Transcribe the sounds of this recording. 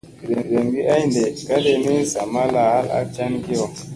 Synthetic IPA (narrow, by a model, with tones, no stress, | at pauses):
ze˨ze˨mɡi˦a˦jnde˨ka˦le˦mi˦n̩˦sa˨ma˦la˨ha˦la̰˦t͡ʃa˦nɡe˦ɔ˨